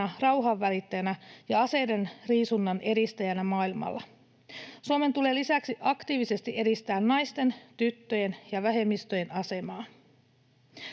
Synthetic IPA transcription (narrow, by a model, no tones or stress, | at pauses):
ɑrɑwɦɑʋːælit̪ːæjænæjɑɑse̞jde̞nriːsunːɑnʔe̞ɾist̪æjænæmɑːilmɑ̰lːɑ | suome̞nt̪ule̞ːlisæksiʔɑkt̪iːʋise̞st̪iʔe̞dist̪æːnːɑjst̪e̞nt̪yt̪ːø̞je̞njɑʋæɦe̞mːist̪o̞je̞nʔɑse̞mɑːn